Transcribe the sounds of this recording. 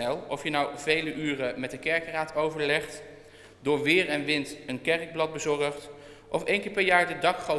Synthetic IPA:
ɛlˠɔfjənɑwvejləʔyːrəmɛt̚dəkɛɹkraːtowvəɹlɛχt | dʊːɹʋɪːɹɛnʋɪntənkɛrɡ̚blɑd̚bəzɔɹəχt | ʔɔfejnkɪːɹpɛɹjaːɹdədɑkχo

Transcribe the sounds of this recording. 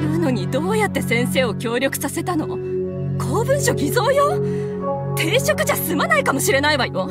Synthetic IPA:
ɾɯno̞ɲ̟id̪o̞ːjat̪ːe̞sẽ̞ɰ̃se̞ːo̞kʲo̞ːɾʲo̞kɯ̟̥sase̞t̪ano̞ | ko̞ːbɯ̟̃ɰ̃ɕo̞ɡʲizo̞ːjo | t̪e̞ːɕo̞kɯ̟ʑasɨmanaikamo̞ɕiɾe̞naiβajo

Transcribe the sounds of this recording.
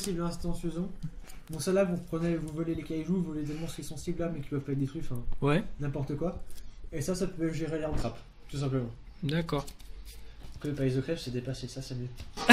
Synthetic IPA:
siblɛ̃st̪ɑ̃føzɔ̃mɔ̃salabvuʁpχənɛvuvɔlelekʲajʒuvɔlet̪̬ɛlmɑ̃sə̥kiɛsɑ̃sibllamɛkʲi̥pwɛvpaɛt̪̚d̪et̪χɥifɛ̃wɛnɛ̃pɔʁt̪əkwaesasapøɛʒeʁeleʁɑ̃t̪χap | t̪us̬ɛ̃pləmɑ̃ | d̪akɔːʁ | køpaizokχɛfsɛd̪epasesasɛmjø

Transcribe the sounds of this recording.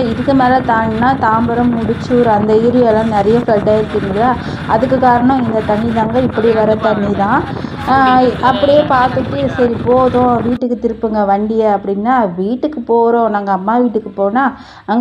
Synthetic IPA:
ɪɾɯkːɯmeːlɐt̪aːnnːaːt̪aːmbɐɾɐmːʊɽɪt͡ʃːuːɾɐnd̪ɐiːɾɪjɐlãːnɪɾɐjɐflɐʈːaːɪɾɯkːiŋɡɐɐ | ʔɐðɯkːɯkːaːɾɐɳõɪnd̪ɐt̪ɐɳːiðaːŋɡɐɪpːɐɽiʋɐɾɐt̪ɐɳːit̪ãː | ɐpːɐɽɪjeːpaːɾt̪ɯʈːɯsɐɾipoːðõʋiːʈːɯkːɯt̪ɪɾɯpːɯŋɡɐʋɐɳɖɪjɐɐpːɐɽɪnːaːʋiːʈːɯkːɯpoːɾõnaːŋɡɐːmːaːʋiːʈːɯkːɯpoːnaː | ɐŋɡ

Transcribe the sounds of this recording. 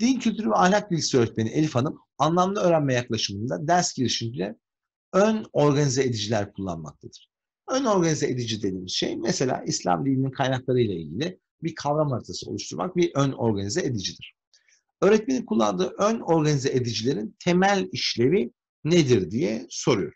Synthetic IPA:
d̪̥incʰylʲt̪ʰyɾyvɛajlʲak̚bilʲcʲi̥siøːɾɛt̪̚me̞nielʲifanɯm | anlˠamd̪ˠaøːɾænmɛjaklˠaʃɯmɯnd̪ad̪æɾsɟiɾiʃimd͡ʒilʲɛ | øno̞ɾɡanizeed̪id͡ʒilʲæɾkʰulˠːa̰nma̰k̚t̪ʰad̪̥ɯɾ̥ | øno̞ɾɡanizeʔed̪id͡ʒid̪e̞d̪iːmizʃe̞̰jmeselʲa̰ːʔislʲa̰md̪ʲilʲininkʰajnaklˠaɾɯjlˠailʲɡɟilʲi | biɾkʰavɾamaɾt̪ʰasɯo̰uʃt̪ʰuɾma̰k̚biʔøno̞ɾɡanizɛed̪id͡ʒid̪iɾ̥ | øːɾɛt̪me̞ninkʰulˠːa̰nd̪ɯːʔøno̞ɾɡanizeʔed̪id͡ʒilʲe̞ɾint̪ʰe̞mælʲiʃlʲe̞vi | ned̪iɾd̪ijɛso̞ɾujo̞ɾ

